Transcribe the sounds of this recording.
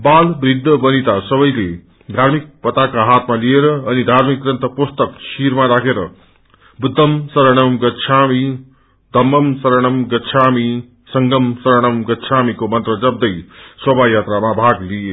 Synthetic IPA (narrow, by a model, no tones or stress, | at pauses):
balbrid̪ʱːʌbʌnit̪asʌβʌjle | d̪ʱaɾmik̚pʌt̪akaɦat̪malieɾʌːnid̪ʱaɾmik̚rʌnt̪ʌpust̪ʌksiɾmaɾakʰeɾʌ | bud̪ʱːʌmsʌɾʌɽ̃ʌmɡʌtt͡sʰami | d̪ʱʌmːʌmsʌɾʌɽ̃ʌmɡʌtːt͡sʰami | sʌŋɡʌmsʌɾʌɽ̃ʌmɡʌtːt͡sʰamikomʌnt̪rʌd͡zʌb̚d̪ʌjswʌbʱajat̪ɾamabʱaɡlie